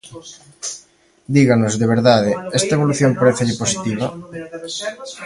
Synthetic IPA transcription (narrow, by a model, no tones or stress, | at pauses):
d̪iɣanozðeβ̞eɾðaðɪɛst̪aeβ̞oluθjompaɾeθɪʎɪposit̪iβ̞ɐ